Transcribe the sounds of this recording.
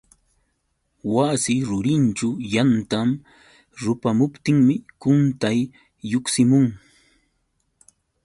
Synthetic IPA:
wasɪɾʊɾɪnt͡ʃʊjant̪am | ɾʊpamʊpt̪ɪŋmɪkʊnt̪ajː | oksɪmʊŋ

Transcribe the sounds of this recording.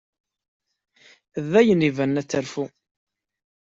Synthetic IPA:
ðːæjənivænːæt͡sːæɾfu

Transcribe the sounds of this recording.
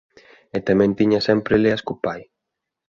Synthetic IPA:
ɛt̪amɛ̃nt̪iɲasɛmpɾɪleaskupaj

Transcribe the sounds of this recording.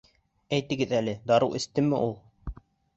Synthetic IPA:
æjt̪ɘ̆ɡɘðælɘd̪ɑɾɤwʔɘ̆st̪ɘmɘ̰ʔulˠ

